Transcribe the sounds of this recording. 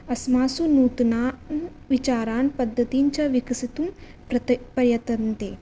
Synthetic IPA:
ɐsmaːsunuːt̪unaːn | ʋit͡ʃaːɾaːnpɐd̪ʱːɐt̪iɲt͡ʃɐʋikɐsit̪um | pɐpɐɾjɐt̪ɐnt̪eː

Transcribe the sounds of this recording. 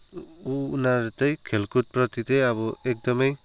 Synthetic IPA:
uːnaɾet̪ajkʰelkut̚pɾɔt̪iteaβɔek̚d̪ɔmej

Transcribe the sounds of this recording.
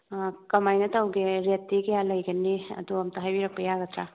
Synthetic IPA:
kɐmajnɐtʰawɡeɾetːiɡejalɐjɡɐnːiɐ̰d̪uɐmt̪ɐɦajbiɾɐk̚pɐjaɡɐt̪ʰɾa

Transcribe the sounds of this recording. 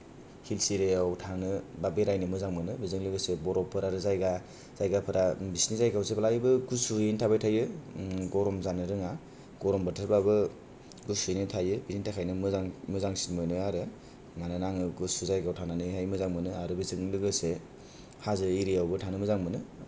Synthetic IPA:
hilsiɾeawtʰanɯbabeɾajnɯmɯzaŋmɯnɯbizɯŋlɯɡɯsebɔɾɔpʰːɯɾaɾɯzajɡa | z̥ajɡapʰɯɾʔabisniszajɡawsebalajbɯɡusuentʰabajtʰajɯɡɔɾɔmzanɯɾɯŋa | ɡɔɾɔmbɯtʰɯɾbabɯ | ɡusujnɯtʰajɯbizintʰakʰajnɯmɯaŋmɯzaŋsi̥tmɯnɯaɾɯ | manɯnaŋɯɡusuzajɡawtʰananɯajmɯzaŋmɯnɯaɾɯbizɯŋlɯɡɯse | hazɯiɾijawbɯtʰanɯmɯzaŋmɯnɯ

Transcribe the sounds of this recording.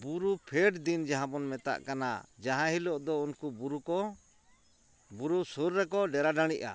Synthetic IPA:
buɾupʰɛʈd̪ind͡ʒaɦãbɔnmɛt̪a̰ʔkana̰d͡ʒaɦãɦilɔʔd̪ɔunkubuɾukɔ | buɾusuɾːɛkɔɖɛɾaɖaɽ̃iʔa̰

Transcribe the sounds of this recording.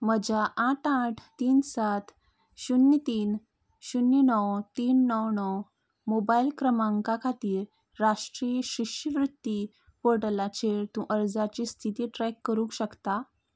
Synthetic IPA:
məd͡ʑaʔaʈaʈʰt̪iːnsat̪ʰ | ɕunːit̪iːn | ɕunjənɔwt̪iːnːɔwnɔw | mobailkɾəmãŋkakʰat̪iːɾː | aʂʈɾijɕiɕəʋɾut̪ːi | poʈəlat͡ɕeɾt̪ũʔəɾd͡zat͡ɕiːst̪ʰit̪iːʈɾɛkːəɾũːkɕəkt̪a

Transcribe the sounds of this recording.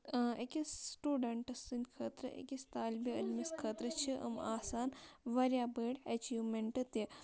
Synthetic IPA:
ekisʈuːɖɐɳʈɐsinʲkʰɐt̪ɾɐ̰ʔḛkist̪aːlbiɐlmiskʰɐt̪ɾɐt͡ʃʰiʔɐ̰ma̰ːsaːnʋɐɾʲjaːbeːɽɐt͡ʃiːʋmeɳʈɐt̪i

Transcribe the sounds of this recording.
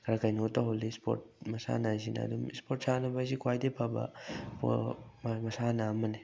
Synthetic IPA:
kʰɐɾakajnotːaɦolispʰo̰t̚mɐsa̰najzina̰ɐ̰dumispʰoɾt̚sanɐbasikwajdepʰabɐ̰pommɐsanaːmɐni

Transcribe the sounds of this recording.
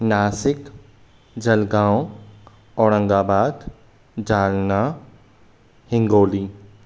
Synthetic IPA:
naːsɪk | d͡ʒɐlɡãːw̃ | ɔːɾə̃ŋɡaːbaːd̪ | d͡ʒaːlna | hɪ̃ŋɡoːliː

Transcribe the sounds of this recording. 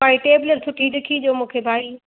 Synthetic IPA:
aːiʈeːbɪləɾsʰʊʈidɪkʰid͡ʑoːmũːkʰebʱaːiː

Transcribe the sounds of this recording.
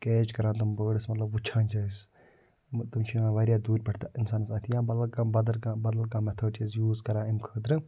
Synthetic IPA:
keːt͡ʃkɐɾãːt̪̬ɐmbəːɽɨsmɐt̪lɐbut͡ʃʰãːnd͡ʒaːis | t̪umt͡ʃʰiãʋaːɾjaːd̪uːɾʲpɐʈʰt̪aʔɪnsaːnsaːt̪ʰijãːbɐlkabɐd̪ɐɾkabɐd̪əlkãːmɛt̪ʰəːɖʈʰizjuːzkɐɾãːɪmkʰəːd̪ɾɨ

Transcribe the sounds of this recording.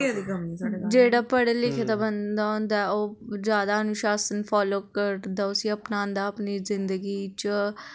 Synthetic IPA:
ad̪iɡəmnisaed͡ʒeːɽaːpəɽelɪkʰed̪abənd̪aːɦõːnd̪aːɛoːzjaːd̪aənʊʃaːsənfʰaːloːkəɾd̪aːʊsiəpnãːnd̪aːɐpnizɪ̃nd̪əɡiːt͡ʃə

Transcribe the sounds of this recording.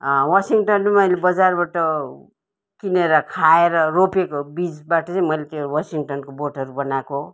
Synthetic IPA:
wasiŋʈʌnmemʌjlebʌd͡zarbaʈʌ | kineɾʌkʰaeɾʌropekobid͡zbaʈʌt͡saĩmʌjlet̪jɾwasiŋʈʌnkoboʈʰʌɾubʌnako

